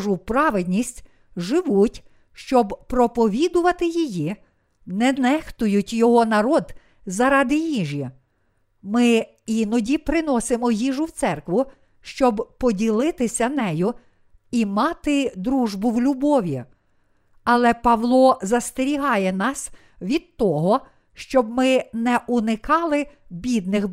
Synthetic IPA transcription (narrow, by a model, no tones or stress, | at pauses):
ʒʊpɾɑʋed̪ʲnʲisʲtʲ | ʒɪʋutʲ | ʃt͡ʃɔbpɾɔpɔʋʲid̪ʊʋɐt̪ɪjiji | nɛnɛxt̪ʊjʊtʲjɔɦɔnɐɾɔd̪ | zɐɾɑd̪ɪjiʒʲji | mɪ | inɔdʲipɾɪnɔsɪmɔjiʒʊwt̪sɛrkʋʊ | ʃt͡ʃɔbpɔdʲilˠɪt̪ɪsʲɐnɛjʊ | imɑt̪ɪd̪ɾuʒbʊwlʲʊbɔʋʲi | ɐlˠɛpɐʋlˠɔzɐst̪eɾʲiɦɑjɛnɑs | ʋʲid̪̚t̪ɔɦɔ | ʃt͡ʃɔbmɪnɛʔʊnɪkɑlˠɪ | bʲid̪̚nɪx